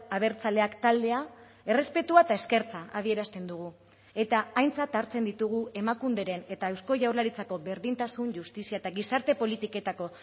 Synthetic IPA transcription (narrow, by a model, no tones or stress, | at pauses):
aβ̞e̞ɾt͡sale̞akt̪ald̪e̞a | e̞re̞spe̞t̪uaet̪ae̞ske̞ɾt͡saað̞ie̞ɾast̪e̞nd̪uɣ̞u | e̞t̪aːjnt͡sat̪aɾt͡se̞nd̪it̪uɣ̞ue̞makund̪e̞ɾe̞ne̞t̪aewsko̞ʝawɾlaɾit͡sako̞βe̞ɾðint̪asunʝust̪isiaet̪aɣisaɾt̪e̞po̞lit̪ike̞t̪ako̞